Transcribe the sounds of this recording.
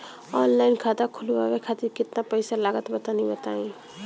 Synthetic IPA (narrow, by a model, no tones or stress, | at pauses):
ɔnlaɪnkʰat̪akʰulbabekʰat̪iɾkɪt̪napəjsalaɡət̪bət̪anibət̪aĩ